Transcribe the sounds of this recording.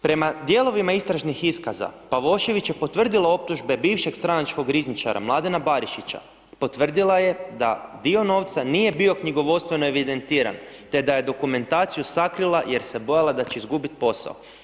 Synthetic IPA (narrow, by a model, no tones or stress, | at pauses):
pɾe̞mad̪je̞lo̞ʋimaist̪ɾaʒnixiskaza̰paʋo̞ʃe̞ʋit͡ɕjepo̞t̪ʋr̩d̪ilˠao̞p̚t̪uʒbe̞biːʋʃe̞kst̪ɾanat͡ʃko̞ɡɾiznit͡ʃa̰ɾʔa̰mlˠad̪enabaɾiʃit͡ɕa̰ | po̞t̪ʋr̩d̪ilˠaje̞d̪a̰d̪io̞no̞ːʋt̪sanije̞bio̞kɲiɡo̞ʋo̞t̪st̪ʋe̞noe̞ʋid̪e̞nt̪iːɾa̰n | t̪e̞d̪aje̞d̪o̞kume̞nt̪aːt̪sijusakɾilˠaje̞ɾse̞bo̞jalˠad̪at͡ʃeizɡubit̪po̞sa̰o̰